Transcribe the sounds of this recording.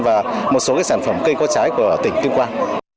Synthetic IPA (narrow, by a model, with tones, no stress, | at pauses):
vaː˨˩mo˨˩t̚so˨˦ka˨˦saː˧˩nfə˧˩mkə˧jkɔ˨˥t͡ɕaː˨˦jku˧˩ə˩t̪ï˧˩ŋ̟t̪i˧əŋ͡mkwaː˧n